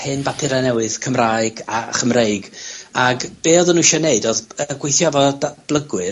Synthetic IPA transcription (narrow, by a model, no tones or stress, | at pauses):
hɨnbapʰɪɾanɛwɨðkʰəmraɨɡaχəmreɨɡaɡb̥eːɔðənuʃɛneɨdɔðəɡwejθjavɔdab̥lˠəɡwɨ